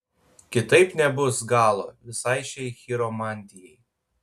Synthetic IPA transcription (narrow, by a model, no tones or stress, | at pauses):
kʲɪt̪ɐɪpnʲɛbʊsɡɑːlˠoːʋʲɪsɐɪʃʲɛɪxʲɪɾomɑːnʲd̪ʲɪjɛɪ